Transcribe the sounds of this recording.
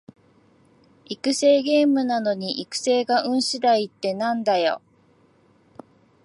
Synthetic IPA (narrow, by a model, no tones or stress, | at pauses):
ikɯ̟se̞ːɡe̞ːmɯ̟nano̞ɲ̟iʔikɯ̟̥se̞ːɡaʔɯ̟̃ɰ̃ɕid̪ait̪ːe̞nãnd̪ajo̞̰